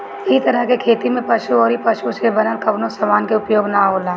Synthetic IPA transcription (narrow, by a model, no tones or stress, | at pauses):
ɪit̪ɐɾəɦkekʰeːt̪imẽpɐʃuɔːɾipɐʃusebɐnəlkɐbnosɐʋaːnkeʊpjoːɡnaɦoːlaː